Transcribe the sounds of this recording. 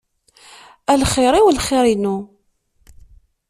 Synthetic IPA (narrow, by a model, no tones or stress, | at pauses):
ælχɪɾˤiwlχɪɾinu